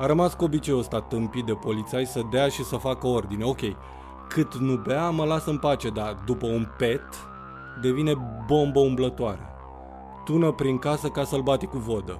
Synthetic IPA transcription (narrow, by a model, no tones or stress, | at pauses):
aɾəmaskuo̞bit͡ʃe̞jost̪at̪ɨmpit̪̚d̪e̞po̞lit̪sajsəd̪eaʃisəfakəo̞rd̪ineo̞kʲe̞j | kʰɨt̪nubeaməlasɨnpat͡ʃe̞d̪ad̪upəunpe̞t̪ | d̪e̞vine̞bo̞mbəumblət̪oaɾḛ | t̪unəpɾiŋkasəkasəlbat̪ikuvo̞d̪ə